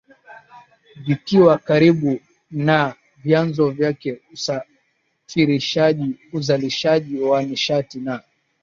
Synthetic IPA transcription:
vikiwakaɾiɓu | na | vjanzɔvjakɛusa | fiɾiʃaʄiuzaliʃaʄiwaniʃatina

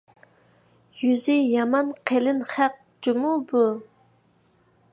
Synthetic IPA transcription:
jyzɪjɑmɑnqʰelɪnχæq̚ | d͡ʒumubu

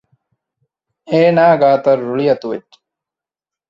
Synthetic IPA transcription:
eːnaːɡaːt̪ɐɾːuɭiɐt̪uʋet̪

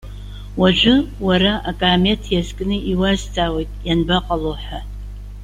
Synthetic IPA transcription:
wɐʒʷᶣɪwɐɾɐʔakʼaːmetʰjazkʼɨnɨʔiwazt͡sʼaːwɐjtʼjanbɐqʼɐloħʷa

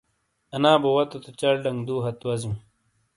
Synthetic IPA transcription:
ɐnaːbowɐt̪ot̪ot͡ɕɐɽɖɐŋd̪uːɦɐt̪wɐzĩm

